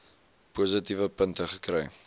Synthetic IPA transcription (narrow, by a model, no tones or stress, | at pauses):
puzətivəpəntəχəkrɛj